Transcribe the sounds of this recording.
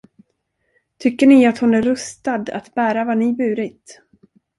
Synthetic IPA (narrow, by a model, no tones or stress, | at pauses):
t̪ʰʏkːəɳɪat̪hʊnæɾɵst̪ad̪a̰t̪bæːɾavanɪbʉ̟ːɾɪt̪